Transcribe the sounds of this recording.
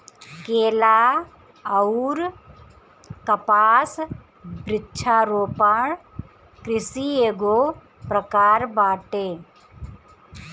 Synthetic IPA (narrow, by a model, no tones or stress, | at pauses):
keːlaː | ɐuɾ | kɐpaːs | bɾɪtːt͡ʃʰaːɾoːpaːɳ | kɾɪsieːɡoː | pɾɐkaːɾbaːʈeː